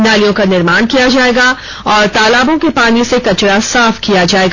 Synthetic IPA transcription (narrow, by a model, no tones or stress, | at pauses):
naːlijõkanɪɾmaːnkijad͡ʒaːeːɡa | ɔːɾt̪aːlaːbõkepaːnisekɐt͡ʃɽasaːfkijad͡ʒaːeːɡa